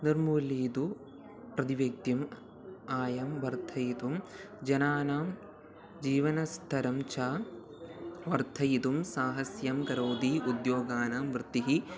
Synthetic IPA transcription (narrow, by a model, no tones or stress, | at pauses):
niɾmuːliːd̪u | pɾɐt̪iʋek̚t̪jɐm | aːjɐmʋɐɾt̪ʰɐjit̪um | d͡ʒɐnaːnaːm | d͡ʒiːʋɐnɐst̪ʰɐɾɐmt͡ʃaː | ʋɐɾt̪ʰɐjit̪umsaːɦɐsjɐmkɐɾoːd̪iʔud̪joːɡaːnaːmʋɾɨt̪ːiɦi